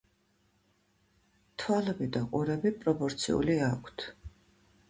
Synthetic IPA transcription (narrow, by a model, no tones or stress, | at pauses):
t̪ʰwalɛbid̪aqʼuɾɛbipʼɾɔpʼɔɾt̪sʰḭṵliakʰt̪ʰ